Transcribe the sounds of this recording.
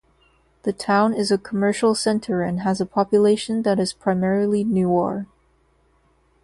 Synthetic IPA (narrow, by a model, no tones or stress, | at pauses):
ðɨtʰãʊ̃nɪzɨkʰəmɜ˞ʃl̩ˠsɛ̃ntʰə˞ɨ̃nəzəpʰɑpjɨleɪʃɨ̃nðɨɾɨz̥pʰɹ̥aɪmɛɹl̩ˠinʉɔ̰ɹ